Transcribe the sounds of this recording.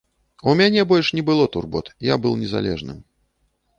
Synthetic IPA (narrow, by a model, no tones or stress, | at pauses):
umʲanʲɛbɔlʲʂnʲɛbɨlˠɔt̪urbɔ̰t̪ja̰bɨlˠnʲɛza̰lʲɛ̰ʐnɨ̰m